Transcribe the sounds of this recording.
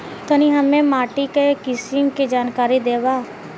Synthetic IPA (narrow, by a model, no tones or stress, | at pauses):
t̪ənĩɦəmẽːmaːʈikekɪsəŋkid͡ʒaːnkaːɾid̪eːʋaː